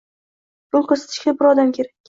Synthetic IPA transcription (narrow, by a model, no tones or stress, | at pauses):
b̥ʊlˠkʰɵɾsḁt̪ʰɪ̥ʃkʲabɪɾɒd̪amkʲʰe̞ɾakʲ